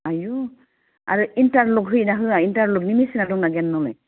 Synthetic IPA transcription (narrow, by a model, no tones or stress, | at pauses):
aju | a̰ɹuintaɹlokɦɯjnaɦɯaintaɹloknimisinadɔŋnaɡɛnːɔlɛ̰j